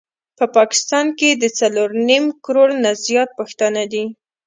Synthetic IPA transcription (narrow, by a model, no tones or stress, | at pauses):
pəpɑkɪ̥st̪ɑnked̪ət͡saloɾnimkɾoɽnazjɑt̪̚pəxt̪anad̪i